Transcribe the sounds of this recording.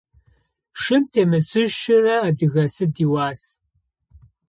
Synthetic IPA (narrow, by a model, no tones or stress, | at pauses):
ʂɨmtʰeːmɨsɨʒʃɪrɐːdɨɣɐsɨdiːwaːs